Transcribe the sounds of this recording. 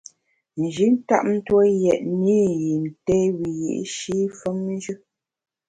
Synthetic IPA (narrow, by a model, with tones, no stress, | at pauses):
n̩˨d͡ʒi˨˦n̩˦ta̰˦ʔm̩˦two˦jɛ˨ʔ̚ni˦ji˨n̩˨tɛ˦wi˨jḭ˨ʔʃi˦fə˦mn˦d͡ʒʉ˦